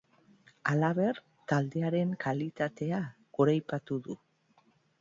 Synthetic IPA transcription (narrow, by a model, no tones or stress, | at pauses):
alaβe̞ɾ | t̪ald̪e̞aɾe̞ŋkʰalit̪at̪e̞a | ɣ̥oɾajpat̪uðu